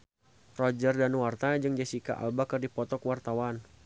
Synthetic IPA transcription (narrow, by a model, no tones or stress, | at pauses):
rɔd͡ʒərdanwart̪aad͡ʒɨŋd͡ʒasika̰ʔa̰lbakərdipɔt̪ɔkwart̪awan